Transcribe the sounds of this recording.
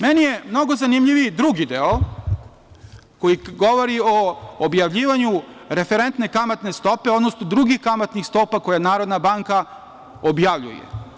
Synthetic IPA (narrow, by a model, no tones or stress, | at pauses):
menije̞mno̞ɡo̞zanimʎiʋid̪ɾuɡid̪eo | ko̞jiɡo̞ʋo̞ɾioːbjaʋʎiːʋaɲu | ɾe̞feɾent̪ne̞kamat̪ne̞st̪o̞pe̞od̪nosnod̪ɾuɡixkamat̪nixst̪o̞ːpako̞janaːɾo̞d̪nabaŋka | objaʋʎṵjḛ